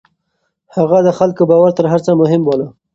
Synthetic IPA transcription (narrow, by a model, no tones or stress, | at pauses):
haɣad̪əxalkobɑwaɾt̪əɾɦaɾt͡samʊɦɪmwola